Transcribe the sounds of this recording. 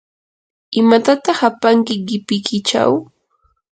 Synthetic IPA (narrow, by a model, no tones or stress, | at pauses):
ɪmat̪at̪ɑχapaŋkɪɢɪpɪkʰɪt͡ʃa̰w